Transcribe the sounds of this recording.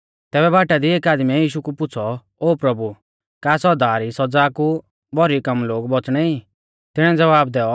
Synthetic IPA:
t̪ɛːbɛbaːʈad̪ieːkaːd̪mɛjiːʃukupʊt͡sʰɔ | oːpɾɐbu | kaːsɔd̪aːɾisɔd͡zaːku | bʱɔɾikɐmloːɡbɔt͡sɽ̃ɛi | t̪ɪɽ̃ɛ̃d͡zɐʋaːb̚d̪ɛːɔ

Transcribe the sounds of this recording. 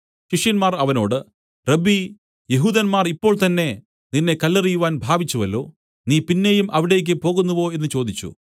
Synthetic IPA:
ɕiʂjɐnmaːrɐʋɐno̞ːɽɨ | rebi | jeɦuːðɐnmaːripːo̞ːɭt̪ɐnːe̞ | ninːe̞kɐlːɐrijuʋaːnbʱaːbʱit͡ɕːuʋɐlːo̞̰ː | niːpinːe̞jumʔɐʋiɽe̞ːk̬ʲːɨpo̞ːɣunːuʋo̞ːe̞nːɨt͡ɕo̞ːd̪it͡ɕːṵ

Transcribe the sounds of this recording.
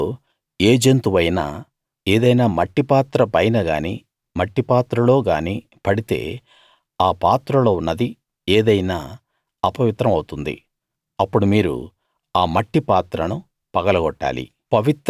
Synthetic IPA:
eːd͡ʒent̪uʋɐjna̰ː | e̞ːd̪ɐjnaːmɐʈːipaːt̪ɾɐpɐjnɐɡa̰ːniː | mɐʈːipaːt̪ɾɐlo̞ːɡa̰ːniː | pɐɽit̪e̞̰ː | aːpaːt̪ɾɐlo̞ːunːɐd̪i | eːd̪ɐjnaː | ɐpɐʋit̪ɾɐmɐwut̪und̪ḭ | ɐpːuɽumiːɾṵ | aːmɐʈːipaːt̪ɾɐnu | pɐɡɐlɐɡɔʈːa̰ːlḭ | pɐʋit̪

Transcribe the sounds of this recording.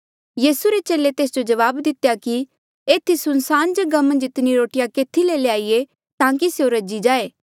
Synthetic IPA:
jiːsuɾet͡ʃeːlet̪eːsd͡ʒod͡ʒɐʋaːbd̪ɪt̪jaki | eːt̪ʰisʊnsaːnd͡ʒɐɡamɐ̃nd͡ʒɪt̪niɾoːʈɪjakeːt̪ʰileleaːie | t̪ãːkiseoɾɐd͡ʒid͡ʒaːeː

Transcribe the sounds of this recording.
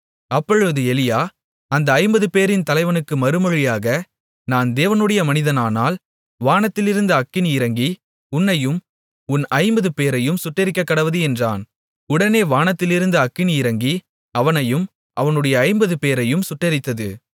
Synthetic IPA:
ɐpːɔɻɯʋɐðɯɛlɪjaː | ɐnd̪ɐːɪmbɐðɯpeːɾɪnt̪ɐlɐɪʋɐnɯkːɯmɐɾɯmɔɻɪjaːɣɐ | naːnd̪eːʋɐnɯɽɐjɐmɐnɪðɐnaːnaːl | ʋaːnɐt̪ːɪlɪɾɯnd̪ɐɐkːɪniɪɾɐŋɡi | ʊnːɐjɯm | ʊnɐɪmbɐðɯpeːɾɐjɯmsʊʈrɐɾɪkːɐkːɐɽɐʋɐðɯɛndra̰ːn | ʊɽɐneːʋaːnɐt̪ːɪlɪɾɯnd̪ɐɐkːɪniɪɾɐŋɡi | ɐʋɐnɐjɯm | ʔɐʋɐnɯɽɐjɐːɪmbɐðɯpeːɾɐjɯmsʊʈrːɐɾɪt̪ːɐðɯ̰

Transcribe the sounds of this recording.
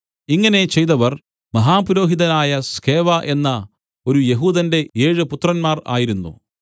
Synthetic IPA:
iŋːɐne̞t͡ɕe̞jt̪ɐʋɐr | mɐɦaːpuɾo̞ːɦiðɐnaːjɐske̞ːʋɐʔe̞nːɐ | o̞ɾuje̞ɦuːðɐnde̞e̞ːɻɨput̪ːrɐnmaːra̰ːjiɾunːṵ

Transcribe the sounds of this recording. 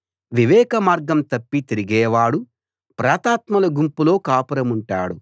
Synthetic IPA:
ʋiʋɛːkɐmaːɾɡɐmt̪ɐpːit̪eɾiɡɛːʋaːɽu | pɾaːt̪aːt̪mɐlɐɡumpulo̞ːkaːpɐɾɐmuɳʈa̰ːɽu

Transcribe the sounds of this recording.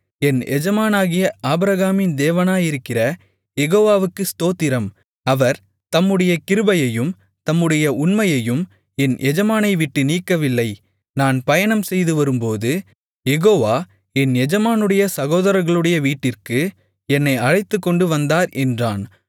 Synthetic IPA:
ɛnʔɛ̰d͡ʒɐmaːnaːɣɪjɐʔaːbɾɐɣaːmɪnd̪eːʋɐnaːjɪɾɯkːɪrɐ | jɛɣoːʋaːʋɯkːɯst̪oːt̪ːɪɾɐm | ɐʋɐɾ | t̪ɐmːɯɽɐjɐkɪɾɯbɐjɐjɯm | t̪ɐmːɯɽɐjɐʊnmɐjɐjɯm | ɛnʔɛd͡ʒɐmaːnɐɪʋɪʈːɯniːkːɐʋɪlːɐɪ | naːnpɐjɐnɐmsɛjðɯʋɐɾɯmpoːðɯ | jɛɣoːʋaː | ɛnɛd͡ʒɐmaːnɯɽɐjɐsɐɣoːðɐɾɐɾɣɐɭɯɽɐjɐʋiːʈːɪrkɯ | ɛnːɐɪɐɻɐɪt̪ːɯkːɔɳɖɯʋɐnd̪aːɾʔɛndraːn

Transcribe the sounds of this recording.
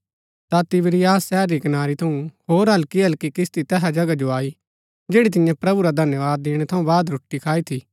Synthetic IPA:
t̪at̪ɪbɪɾijaːsːɛːɾːikɐnaːɾit̪ʰɐũhoːɾɦɐlkiɐlkikɪst̪it̪ɛɦad͡ʒɐɡad͡ʒoaːi | d͡ʒeːɽit̪̬ɪjãpɾɐbuɾad̪ʱɐnjəʋaːd̪ːeːɽ̃ɛt̪ʰɐũbaːd̪ɾʊʈːikʰaːit̪ʰi

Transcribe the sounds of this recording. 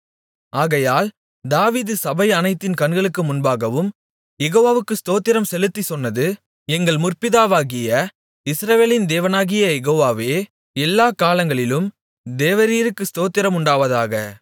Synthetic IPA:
ʔaːɣɐjaːl | d̪aːʋiːðɯsɐbɐɪɐnɐɪt̪ːɪnkɐnɡɐɭɯkːɯmʊnbaːɣɐʋɯm | jɛɣoːʋaːʋɯkːɯst̪oːt̪ːɪɾɐmsɛlɯt̪ːisɔnːɐðɯ | ɛŋɡɐɭmʊrpɪðaːʋaːɣɪjɐ | ɪsɾɐʋeːlɪnd̪eːʋɐnaːɣɪjɐjɛɣoːʋaːʋeː | ɛlːaːkaːlɐŋɡɐɭɪlɯm | d̪eːʋɐɾiːɾɯkːɯst̪oːt̪ːɪɾɐmʊɳɖaːʋɐðaːɣɐ

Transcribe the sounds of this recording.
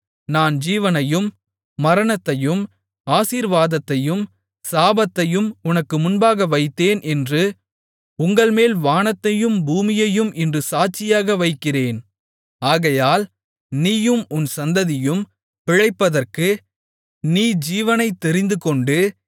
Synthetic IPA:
naːnd͡ʒiːʋɐnɐjɯmː | ɐɾɐɳɐt̪ːɐjɯm | aːsiːɾʋaːðɐt̪ːɐjɯm | saːbɐt̪ːɐjɯmʊnɐkːɯmʊnbaːɣɐʋɐɪt̪ːeːnʔɛndrɯ | ʊŋɡɐɭmeːlʋaːnɐt̪ːɐjɯmbuːmɪjɐjɯmʔɛndrɯsaːt͡ʃɪjaːɣɐʋɐɪkːɪreːn | aːɣɐjaːl | niːjɯmʊnsɐnd̪ɐðɪjɯm | pɪɻɐɪpːɐðɐrkɯ | niːd͡ʒiːʋɐnɐɪt̪ːɛɾɪnd̪ɯkɔɳɖɯ

